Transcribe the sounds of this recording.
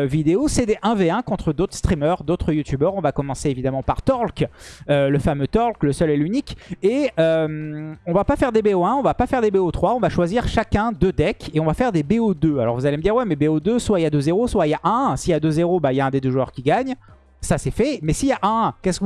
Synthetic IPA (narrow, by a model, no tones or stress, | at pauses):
vid̪eosɛd̪eʔɛ̃veɛ̃kɔ̃t̪χəd̪ot̪χəst̪χimœʁd̪ot̪χəjut̪ʰybœʁɔ̃vakɔmɑ̃seevid̪amɑ̃paʁt̪ɔʁlkøləfamøt̪ɔʁlkləsœlɛlynikeømɔ̃vapafɛʁd̪ebeoɛ̃ɔ̃vapafɛʁd̪ebeot̪χwaɔ̃vaʃwaziʁʃakʲɛ̃d̪ød̪ɛkeɔ̃vafɛʁd̪ebeod̪øalɔ̰ʁvuzaleməd̪iʁwɛmɛbeod̪øswaijad̪øzeʁoswaijaʔɛ̃siad̪øzeʁobailjaɛ̃d̪ed̪øʒuœʁkʲiɡaɲ | sasɛfɛmɛsijaʔɛ̃kʲɛsk